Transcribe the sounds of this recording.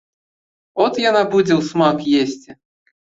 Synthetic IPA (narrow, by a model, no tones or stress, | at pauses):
ɔt̪janabud͡zʲɛwsmakjesʲt͡sʲi